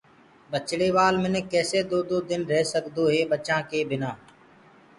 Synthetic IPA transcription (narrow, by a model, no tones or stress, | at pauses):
ɓət͡ʃɽeːʋaːlmɪneːkɛːseːd̪oːd̪oːd̪ɪnɾɛɦsəɠd̪oːɦeːɓət͡ʃãːkeːbʱɪnãː